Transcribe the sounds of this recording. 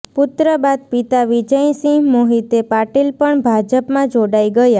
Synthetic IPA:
pʊt̪ɾəbad̪̚pit̪aʋid͡ʒəj̃sĩmoɦit̪epaʈilpəɳbʱad͡ʒəpmãd͡ʒoɽajɡəja

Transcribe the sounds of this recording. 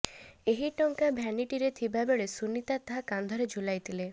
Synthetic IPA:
eɦiʈɔŋkabʱjaniʈiɾet̪ʰibabeɭesunit̪at̪aɦakand̪ʱɔɾed͡ʒʱulajt̪ʰile

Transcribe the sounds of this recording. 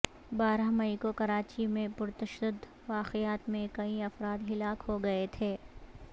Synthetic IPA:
baːɾaɦmɐikokɐɾaːt͡ʃimẽpʊɾt̪ɐʃəd̪əd̪ | ʋaːqejaːt̪mẽkɐĩɐfɾaːd̪ɦɪlaːkɦoɡɐet̪ʰeː

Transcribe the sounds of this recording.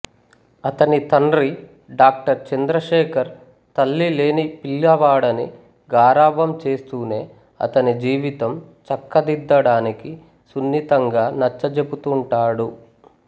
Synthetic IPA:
ɐt̪ɐnit̪ɐnɾi | ɖaːk̚ʈɐɾt͡ʃɐnd̪ɾɐʃɛːkʰɐɾ | t̪ɐlːile̞ːnipiljɐʋaːɽɐnḭ | ɡaːɾaːʋɐmt͡ʃe̞ːst̪uːne̞ː | ɐ̰t̪ɐnid͡ʒiːʋit̪ɐm | t͡ʃɐkːɐd̪id̪ːɐɽaːniki | sunːit̪ɐŋɡaːnɐt͡ʃːɐd͡ʒebut̪uɳʈaːɽu

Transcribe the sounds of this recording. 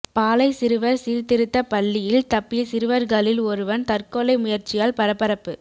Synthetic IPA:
paːlɐɪsɪɾɯʋɐɾsiːɾt̪ːɪɾɯt̪ːɐpɐlːɪjɪlt̪ɐpːɪjɐsɪɾɯʋɐɾɣɐlɪlɔɾɯʋɐnt̪ɐrkɔːlɐɪmʊjɐɾt͡ʃɪjaːlpɐɾɐpːɐɾɐpːɯ

